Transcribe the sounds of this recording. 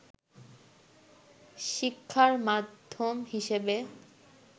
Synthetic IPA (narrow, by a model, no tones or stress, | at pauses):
ʃikʰːaɾmad̪ʱːomɦiʃebe